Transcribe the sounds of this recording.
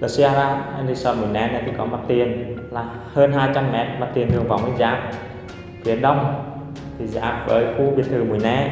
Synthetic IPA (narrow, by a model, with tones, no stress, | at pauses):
lə˨˩si˧aː˧ɾaː˧ʔɛ˧nzi˧sɔ˧nmu˨˩əjnɛ˨˦˥na˨˩jt̪ʰi˨˩kɔ˨˦ma˨˩t̚t̪i˨˩ənlaː˨˩ | həː˧nɦaː˧jt͡ɕa˧mːɛ˨˦˥t̚ma˨˩t̚t̪i˨˩ənɗɨ˨˩əŋva˨˦wməː˨˧˦jza̰ː˧˨˦m̚ | fi˨˦ənɗə˧wŋ͡m | t̪ʰi˨˩za̰ː˨˦˥p̚və̰ː˨˦jxu˧ɓi˨˩ət̪̚ʰɨ˨˩mu˨˩əjnɛ˧˥